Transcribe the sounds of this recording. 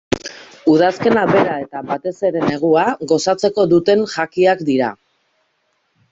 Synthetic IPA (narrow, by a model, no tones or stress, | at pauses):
uðaske̞naβe̞ɾae̞t̪aβat̪e̞se̞ɾe̞ne̞ɣ̞uaɣo̞sat͡se̞ko̞ðut̪e̞nʝakiakd̪iɾa̰